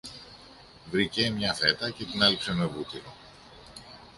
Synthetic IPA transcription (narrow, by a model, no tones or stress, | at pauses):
vɾicemɲɐθe̞t̪ɐce̞t̪inɐlipsemevut̪iɾo̞